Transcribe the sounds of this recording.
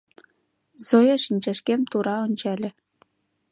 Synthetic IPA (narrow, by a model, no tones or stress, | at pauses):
zojɑʃinʲt͡ɕæʃkemt̪uɾɑonʲt͡ɕælʲĕ